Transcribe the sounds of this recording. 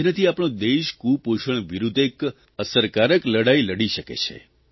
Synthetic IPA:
nət̪ʰiapɳ̃õd̪eʃkupoʃəɳʋiɾud̪ʱek | əsəɾkaɾəkləɽajləɽiʃəkḛt͡ʃʰḛ

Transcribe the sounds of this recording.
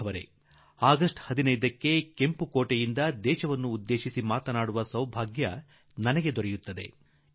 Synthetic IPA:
ɐʋɐɾḛ | aːɡɐsʈhɐd̪inɐjd̪ɐkːe̞ke̞mpukoːʈejind̪ɐd̪ɛːʃɐʋɐnːuːd̪ːe̞ːʃisimaːt̪ɐnaːɽuʋɐsɐwbʱaːɡjɐ | nɐnɐɡe̞d̪ɔɾɛjut̪ːɐd̪e̞̰

